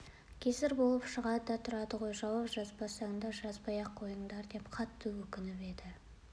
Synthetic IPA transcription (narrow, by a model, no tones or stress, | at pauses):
kʲʰe̞zɪɾbo̞lˠəpʃəʁɑd̪əd̪ɑt̪ʰʊɾɑd̪əʁo̞jʒɑwɑpʒɑzbɑsɑnd̪ɑʒɑzbɑjɑqʰːo̞jəɴd̪ɑɾd̪e̞pqʰɑt̪ːəwɵkʲɪnɪpe̞d̪ɪ